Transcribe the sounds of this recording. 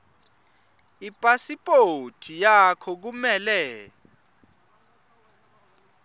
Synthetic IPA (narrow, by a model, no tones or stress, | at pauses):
ipʼasipʼotʰijakʰɔk̬umɛlɛ